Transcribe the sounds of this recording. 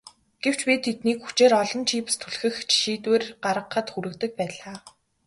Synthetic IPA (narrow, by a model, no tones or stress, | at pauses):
ɡ̥ew̥t͡ɕpʲiːt̪ʰet̪̚niːkxu̥t͡ɕeːɾɔɮɞ̆nt͡ɕʰiːp̆st̪ʰuɮxɘ̆xt͡ɕʰi̥ʃiːt̪weːrɢaɾə̆qːə̆t̪xuɾɘ̆kt̪ɘ̆k̚pæːɮaː